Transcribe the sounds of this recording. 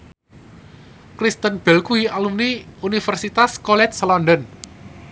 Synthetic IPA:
kɾist̪ənb̥ɛlkuialumniunifərsit̪askɔlɛt̪̚slɔndɔn

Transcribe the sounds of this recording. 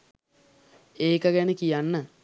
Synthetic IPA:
eːkɐɡenəkijanːə

